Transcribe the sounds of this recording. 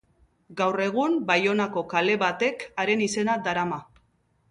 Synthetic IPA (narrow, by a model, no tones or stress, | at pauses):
ɡawre̞ɣ̞umbajo̞nako̞kale̞βat̪e̞kaɾe̞nise̞nad̪aɾama